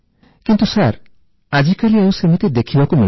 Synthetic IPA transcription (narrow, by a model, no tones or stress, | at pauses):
kint̪usaɾ | ad͡ʒikaliewsemit̪ed̪ekʰibakumi